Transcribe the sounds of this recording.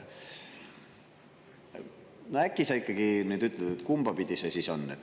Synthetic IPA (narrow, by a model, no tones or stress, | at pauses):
noækːˑisɑikːˑɑɡ̥inyːd̪yt̪ːˑled̪et̪kumb̥ɑpid̪̥ʲisesiso̞nːet̪